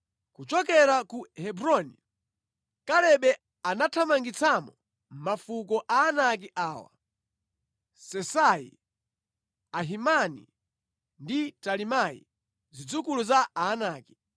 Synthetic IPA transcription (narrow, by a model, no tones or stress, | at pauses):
kut͡ʃɔkɛɾakuhɛbɾɔni | kalɛɓɛ | anatʰamaŋɡit͡sʰamɔ | m̩mafukɔʔaːnak̬iʔaːwa̰ | sɛsaḭ | aɦimanḭ | nditalimaḭ | zid͡zukuluzaaːnaːki̥